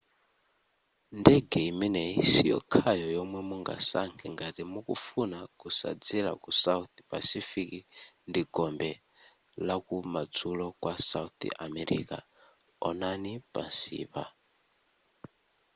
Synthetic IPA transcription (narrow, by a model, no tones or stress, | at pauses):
ndɛɡɛiminɛisijɔ̰kʰajɔjɔmwɛmuŋɡa̰saŋkʰɛŋɡaɾimukufunakusa̰d͡zila̰kusaut̪i̥pasifiki | ndiɡɔmbɛ | lakumad͡zulɔkwasaut̪ḭʔamɛɾḭka | ɔnanipa̰nsḭːpa